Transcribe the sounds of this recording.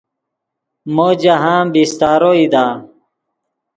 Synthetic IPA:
moːd͡ʑaɦãːbist̪aːɾoid̪aː

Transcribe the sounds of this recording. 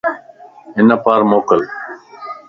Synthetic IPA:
ɪnəpaːɾmoːkəl

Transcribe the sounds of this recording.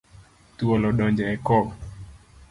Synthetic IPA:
tuɔlɔɗɔɲd͡ʒaɛkɔ

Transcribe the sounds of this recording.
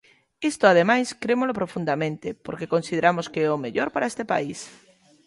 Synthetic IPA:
est̪oað̞emajskɾemolopɾofũnd̪amẽnt̪epoɾkeko̞nsið̞eɾamoskeeomeʎoɾpaɾaest̪epa̰is

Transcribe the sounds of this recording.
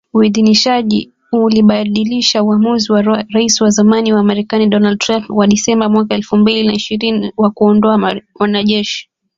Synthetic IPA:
uiðiniʃaʄḭ | uliɓaɗiliʃauamuziwaɾaisiwazamaniwaːmaɾɛkaniɗɔnald̚tɾampwaɗisɛmbamwakaɛlfumbilinaiʃiɾiniwakuɔndɔawanaʄɛʃi̥

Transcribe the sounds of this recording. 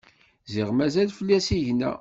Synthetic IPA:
zɪʁmæzælfəlːæsiʝnæ̰

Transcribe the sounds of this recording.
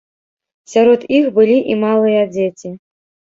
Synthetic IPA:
sʲaɾɔt̪ixbɨlʲiʔimalˠɨjɐd͡zʲet͡sʲi

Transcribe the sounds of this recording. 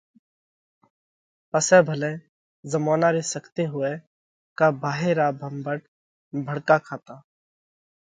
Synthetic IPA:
pəsɛːbʱəlẽː | zəmaːnaːɾesəkʰt̪eːɦʊe | kaːbaːɦeːɾaːbʱəmbəʈ̚ | bʱəɽkaːkʰaːt̪aː

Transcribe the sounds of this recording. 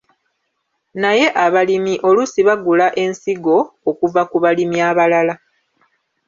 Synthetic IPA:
naje̞ʔaβalimiʔo̞lusiβaɡulaʔe̞nsiɡo̞ːkuvakuβalimiaβalala

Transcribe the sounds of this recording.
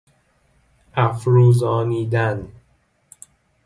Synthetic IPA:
ʔæfɾuːzɒːniːd̪æn

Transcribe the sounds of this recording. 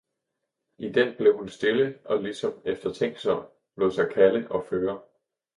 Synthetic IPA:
id̥en̰b̥le̝ʊhunsd̥e̝ləʔɒ̽lisɒ̽mefd̥ɐt͡sʰeŋ̰ɡ̥sɒn | b̥lɔ̰sɑ̈ɪkʰæləʔɒ̽føːɐ

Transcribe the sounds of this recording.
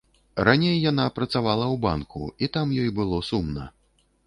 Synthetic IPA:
ɾanʲejːanapɾɐt̪savalˠɐwba̰nkʰṵit̪amjɔjbɨlˠɔsumnɐ

